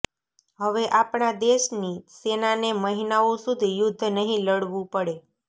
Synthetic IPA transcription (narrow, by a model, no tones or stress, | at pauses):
ɦəʋeʔapɳad̪eʃnisenaneməɦinaõsud̪ʱijʊd̪ʱːnəɦĩləɽʋũpəɽe